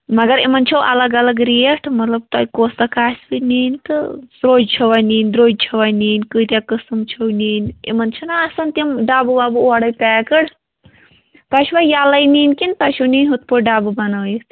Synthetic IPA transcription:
mɐɡɐɾemɐnt͡ʃʰɐwʔɐ̰lɐɡɐlɐɡɾieʈʰmɐt̪lɐb̚t̪ɐjkoːst̪ɐkaːsbiniːnt̪ɨsɾoːd͡ʒt͡ʃʰɐʋaniːndɾoːd͡ʒ̚t͡ʃʰɐʋajniːnʲkɨt̪jakɨsɨmt͡ʃʰɐwniːnḛmɐnt͡ʃʰɐnaːsɐnt̪imɖaːbubaːbuoɽɐjpɛːkɐɽ | p̪ɐʃiʋajalɐjniːnkint̪ɐʃʰuwniːnʲɦut̪̚poɖaːbubɐnɐwjis

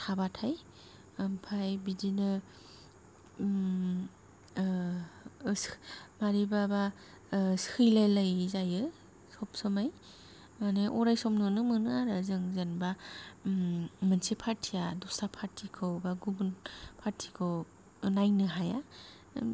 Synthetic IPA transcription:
tʰabatʰaj | ampʰajbidinɯ | smaɾibaba | skʰɯjlajlajzajɯ | sɔpsɯmaj | aneʔɔɾajsɔp̚nɯnɯmɯnɯaɾazɯŋzenba | mɯnsipʰaɾtʰijadusapʰaɾtʰikʰɯwbaɡumunpʰaɾtʰi̥kʰɯw | najnɯɦaja

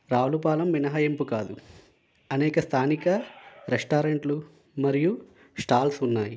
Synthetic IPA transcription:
ɾaːʋlupaːlɐmʋinɐɦɐjempukaːd̪u | ɐnɛːkɐst̪ʰaːnikɐɾesʈaːɾeɳʈlu | mɐɾiju | sʈaːlsunːaːji

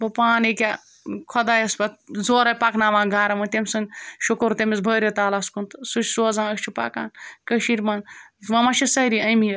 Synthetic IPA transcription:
bɐpaːnikʲa | kʰɔd̪ajɐspɐt̪̚zoːɾɐjpaknaːʋãːɡaːɾɐmɐnt̪emʲsɐŋʃokoɾt̪emisbʱɐːɾet̪aːlaskunt̪sut͡ʃʲsoːzãːɐkt͡ʃʰupa̰ka̰ːnkɐʃiɾmanʋɐmat͡ʃʰisɐɾiɐjmij

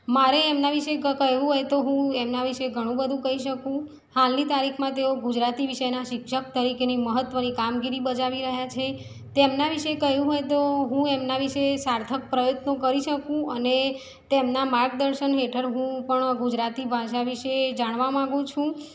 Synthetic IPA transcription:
maɾeːmnaʋiʃekəɦʋũɦojt̪oɦũemnaʋiʃeɡʱəɽ̃ũbəd̪ʱũkəɦiʃəkũ | halnit̪aɾikʰmãt̪eoɡud͡ʒɾat̪iʋiʃəjnaʃɪkʃək̚t̪əɾikeniməɦət̪ːʋənikamɡiɾibəd͡ʒaʋiɾəɦjat͡ʃʰe | t̪emnaʋiʃekəɦjũɦojt̪oɦũemnaʋiʃesaɾt̪ʰək̚pɾəjot̪nokəɾiʃəkũəne | t̪emnamaɾɡd̪əɾʃənɦeʈʰəɾɦũpəɳɡud͡ʒɾat̪ibʱaʃaʋiʃed͡ʒaɽ̃ʋamãɡũt͡ʃʰũ

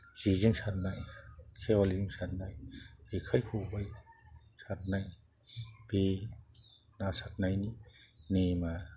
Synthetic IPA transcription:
ziziŋsat̚najkʰeɔliiŋsat̚najekʰajkʰubajsat̚naj | b̥e | nasat̚najninema

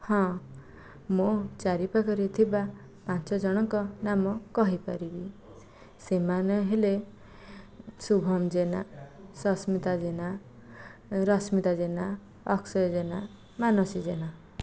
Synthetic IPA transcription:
hɔ̃ | mot͡ʃaɾipakʌɾit̪ʰiba | pãnt͡ʃɔd͡ʒʌɽ̃ɔkɔnamɔkʌɦipaɾibi | semaneɦele | subʱɔmd͡ʒena̰sɔsmit̪ad͡zena | ɾʌsmit̪ad͡ʒena | ɔksʌjd͡ʒena | manɔsid͡ʒena

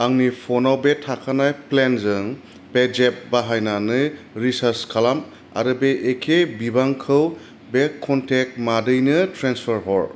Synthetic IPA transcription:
aŋnipʰɔnawbetʰakʰanajplenzɯŋ | bezep̚baɦajnanɯ | ɾisaɾskʰalam | a̰ɾɯbeʔekʰebibaŋkʰɯw | bekʰːɔntʰek̚madɯjnɯtɾenspʰaɾɦɔɾ

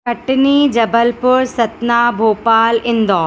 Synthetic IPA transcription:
kɐʈniːd͡ʒɐbəlpʊɾsɐt̪naːbʱoːpaːlɪ̃nd̪ɔː

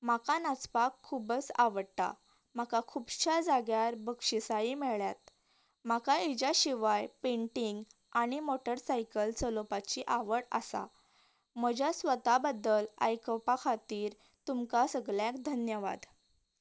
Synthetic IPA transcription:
makanat͡spakʰːuːbət͡saʋəɽt̪a̰ | m̤akakʰuːbɕad͡zaɡjaɾbəkʂisaimeɭjat̪ | m̤akaid͡ʑaɕiʋajpẽɳʈiŋɡ | aɽ̃imoʈəɾsajkəlt͡səlopat͡ɕiʔaʋəɽa̰sa̰ | m̤əd͡ʑʱjasʋət̪abəd̪ːəla̰jkəpakʰat̪iːɾ | t̪umkasəɡɭjakd̪ʱənjəʋa̰d̪

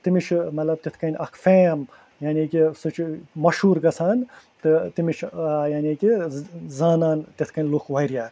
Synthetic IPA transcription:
t̪imit͡ʃʰmɐt̪lɐb̚t̪et̪ʰkɐnʲʔɐkʰfeːm | janikisut͡ʃʰmɐʃuːɾɡɐt͡sʰaːn | t̪ɨt̪imit͡ʃʰjaːnʲiːkizaːnaːnt̪et̪ʰkɐnʲlukʰʋɐjɾjaːɾ

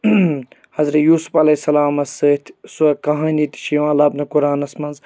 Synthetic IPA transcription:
hɐzɾɐjuːsu̥fɐlɐsːɐlaːmɐsɨːt̪ʲʰsuɐkɐɦɐ̃ːnit̪ʃiːʋãːlɐːbnɐkuɾaːnɐsmɐnz

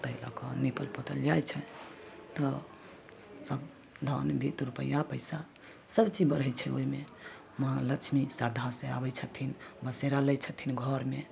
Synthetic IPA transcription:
t̪əɦila̰kɔnipəlpot̪əld͡ʒajt͡ʃʰɛt̪ɔ | səb | d̪ʱanbʱit̪ɾupə̰jːapəjsa | səbt͡ʃibəɾɦɛt͡ʃʰɛo̰ime | mãlət͡ʃʰmisaɾd̪ʱasea̰bɛt͡ʃʰət̪ʰinbəseɾalɛjt͡ʃʰət̪ʰinɡʱɔɾme

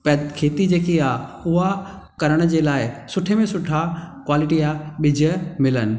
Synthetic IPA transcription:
pɐkʰeːt̪id͡ʑeːkiaːʊɦa | kɐɾəɽ̃d͡ʑeːlaːɪsʊʈʰemẽsʊʈʰakwaːlɪʈiaːɓɪd͡ʑʱəmɪlənɪ̆

